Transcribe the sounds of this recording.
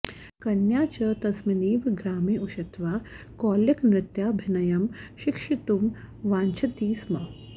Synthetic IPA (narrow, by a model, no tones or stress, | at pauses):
kɐnjaːt͡ʃɐt̪ɐsmɐniːʋɡɾaːmiːuʃɐt̪ʋaː | koːljɐknɾɪt̪jaːbʱɪnɐjɐmʃikʂit̪um | ʋaːɲt͡ʃʰɐt̪iːsmɐ